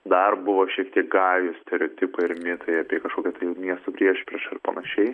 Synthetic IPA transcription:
d̪ɐrbʊʋoːʃʲiɛkt̪ʲiɛk̚ɡɑːjʊsʲt̪ʲɛɾʲoːt̪ʲɪpɐɪɾmʲɪt̪ɐɪɑːpʲiɛkɐʃkoːkʲɛt̪ɐɪjʊmʲiɛst̪opʲɾʲiɛʃpʲɾʲiʃɪɾpɐnɐʃʲɛɪ

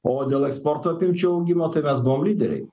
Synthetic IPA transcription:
ɔd̪ɛlˠɛkspɔɾt̪ʰɔpimt͡ʃʰɔuɡimɔt̪ʰɛmɛsbɔmlid̪ɛɾɛ̰

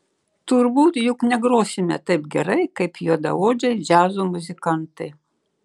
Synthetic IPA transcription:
t̪ʊɾbuːt̪jʊknʲɛɡɾoːsʲɪmʲɛ̰t̪ɐɪpɡʲɛɾɐɪkɐɪpjoːd̪ɐ̰oːd͡ʒʲɛɪd͡ʒʲæːzuːmʊzʲɪkɐnt̪ɐɪ

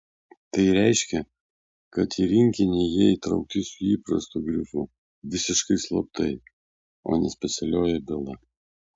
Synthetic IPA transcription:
t̪ɐɪɾʲɛˑɪʃʲkʲɛ | kɐt̪iːɾʲɪŋʲkʲɪnʲeːjiɛit̪ɾɐʊk̚t̪ʲɪsʊiːpɾɐ̰st̪uɡɾʲɪfʊ | ʋʲɪsʲɪʃkɐɪslˠɐpt̪ɐɪ | o̰ːnʲɛsʲpʲɛt̪sʲɛlʲoːjɛbʲɪlˠɐ

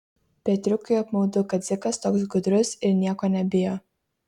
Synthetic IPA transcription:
pʲiɛt̪ʲɾʲʊkʊɐpmɐʊd̪ʊkɐt̪zʲɪkɐst̪oːks̬ɡʊd̪ʲɾʲʊsɪɾnʲiɛkoːnʲɛbʲɪjoː

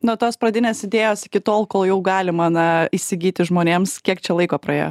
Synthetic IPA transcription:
noːt̪oːspɾɐd̪ʲɪnʲeːsɪd̪ʲeːjoːsɪkʲɪt̪oːlˠkoːlˠjɛʊɡɑːlʲɪmɐnɐisʲɪɡʲiːt̪ʲɪʒmoːnʲeːmskʲiɛkt͡ʃʲɛlˠɐɪkoːpɾɐḛːjo̰ː

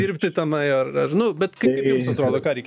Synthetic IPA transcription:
iːɾʲpʲt̪ʲɪt̪ɐmɐɪɐrɐrnʊbʲɛt̪kɐɪɪɾɛmssɐt̪ɾoːd̪oːkɑːɾʲɛɪkʲ

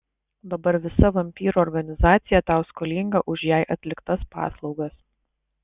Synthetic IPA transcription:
d̪ɐbɐɾʋʲɪsɐʋɐmʲpʲiːɾuːɔɾɡɐnʲɪzɑːt̪sʲɪjɛt̪ɑˑʊskɔlʲiːŋɡɐʔʊʃjæˑɪʔɐt̪ʲlʲɪkt̪ɐspɑ̰ːslˠɒʊɡɐs

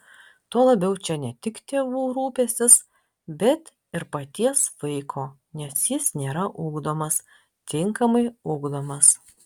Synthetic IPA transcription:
t̪uɔlˠɐbʲɛʊt͡ʃʲɛnʲɛt̪ʲɪkt̪ʲeːʋuːɾuːpʲeːsʲɪs | bʲɛt̪ | ɪɾpɐt̪ʲiɛsʋɐɪkʰoː | nʲɛsjɪsnʲeːɾɐʔuːɡd̪oːmɐs | t̪ʲɪŋkɐmɐɪʊɡd̪oːmɐs

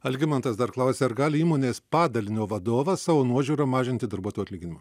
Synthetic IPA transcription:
ɐlʲɡʲɪmɐnt̪ɐsd̪ɐɾklˠɑˑʊsʲeːɐɾɡɑːlʲɪiːmoːnʲeːspɑːd̪ɐlʲɪnʲoːʋɐd̪oːʋɐssɑːʋoːnuɔʒʲuːɾɐmɑːʒʲɪnʲt̪ʲɪd̪ɐɾbuɔt̪ojuɐt̪lʲiːɡʲɪnʲɪmɐ

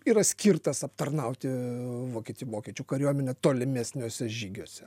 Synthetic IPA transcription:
iːɾɐsʲkʲiːrt̪ɐsɐpt̪ɐrnɐʊt̪ʲɪʋoːkʲɛt̪ʲɪjuʋoːkʲɛt͡ʃʲuːkɐɾʲuɔmʲɛnʲɛt̪oːlʲɪmʲesʲnʲoːsʲɛʒʲiːɡʲoːsʲɛ

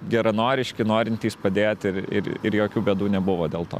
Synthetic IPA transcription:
ɡʲɛɾɐnoːɾʲɪʃʲkʲɪnoːɾʲɪnʲt̪ʲiːspɐd̪ʲeːt̪ɪɾɪ̰ɾɪ̰ɾjoːkʲuːbʲeːd̪uːnʲɛbʊʋoːd̪ʲeːlˠt̪o̰ː

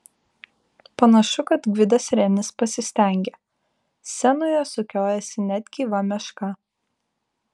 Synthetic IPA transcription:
pɐnɐʃʊkɐt̪ɡʲʋʲɪd̪ɐsɾʲɛnʲɪspɐsʲɪsʲt̪ʲɛˑŋʲɡʲe | sʲɛnʊjoːsʊkʲoːjɛsʲɪnʲæd̪ʲɡʲiːʋɐmʲɛʃkɐ

